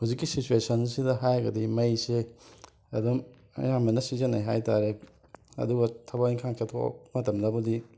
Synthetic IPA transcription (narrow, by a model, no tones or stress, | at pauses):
huzikːisit͡ʃuesɐnsidɐɦajɐɡɐdimɐjse | ɐdum | jamɐnɐsizenajɦajtaɾe | ɐ̰duɡɐtʰɐbaiŋkʰaŋkʰetʰo̰mɐtɐmdɐbɐdi